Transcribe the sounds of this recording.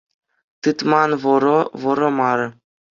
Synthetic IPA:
t̪ɯt̪mɑnʋɤ̆ɾoʋɤ̆ɾŏmɑɾɤ̆

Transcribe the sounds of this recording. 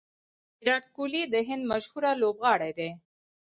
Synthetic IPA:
ɾaʈ̚kulid̪eɦinməʃhuːɾaloːbɣaːɽeːd̪eː

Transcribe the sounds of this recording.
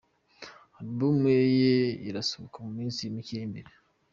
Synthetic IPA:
adbumwejeiɾasoβokamumiːnsimiceːmeɾe

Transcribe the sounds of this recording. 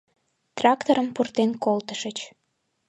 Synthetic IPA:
t̪rɑkt̪oɾəmpurt̪enkolt̪əʃət͡ɕ

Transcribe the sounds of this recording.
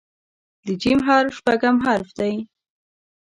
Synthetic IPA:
d̪əd͡ʒimɦaɾʃpaɡamɦaɾfd̪aj

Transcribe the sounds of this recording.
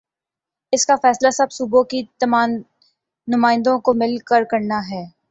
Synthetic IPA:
ɪskafɛːslasɐbsubõkit̪ɐmaːm | nʊmaːɪ̃nd̪õkomɪlkəɾkɐɾnaɦɛː

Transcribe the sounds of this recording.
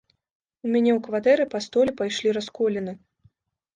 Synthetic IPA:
umʲanʲɛwkvat̪ɛɾɨpast̪ɔlʲɛpajʂlʲiɾaskɔlʲɛnɨ

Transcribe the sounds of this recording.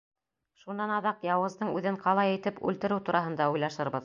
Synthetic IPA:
ʃunːɑnɑðɑqjɑwʁɤ̆zd̪ɤɴʉðɘɴqɑlˠɑjɘ̆jt̪ɘpʉ̰lt̪ɘ̆ɾɘt̪uɾɑɦɤ̆nd̪ɑujlˠɑʃɤ̆ɾβɤð

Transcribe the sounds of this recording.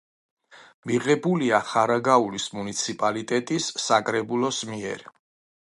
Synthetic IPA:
miʁɛbuliaχaɾaɡaulismunit̪sʰipʼalit̪ʼɛt̪ʼisːakʼɾɛbulɔsmiɛ̰ɾ

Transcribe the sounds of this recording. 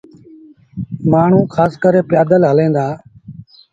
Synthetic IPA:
maːɳ̤ũːkʰaːskəɾeːpjaːd̪əlɦəlẽːnd̪aː

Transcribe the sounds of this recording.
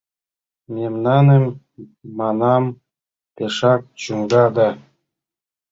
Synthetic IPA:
memnɑnemː | ɑnɑm | peʃɑk̚t͡ɕuŋɡɑd̪ɑ

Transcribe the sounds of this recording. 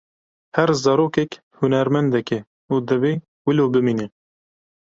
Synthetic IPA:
hæɾzɑɾoːkɛk | hʊnæɾmɛnd̪ɛkɛ | ud̪ɨveː | wɪloːbɨmiːne

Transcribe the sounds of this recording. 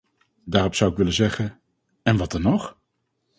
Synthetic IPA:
daːrɔpsʌwɪkʋɪləzɛχən | ɛnʋɑtdɑnːɔχ

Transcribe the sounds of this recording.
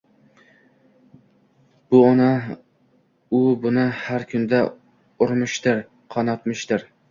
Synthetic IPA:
b̥ʊɒna | ʊbʊnɪhaɾkʲʰʊnd̪a | ʊɾmɪʃt̪ɪɾ | qʰɒnɒt̪mɪʃt̪ɪɾ

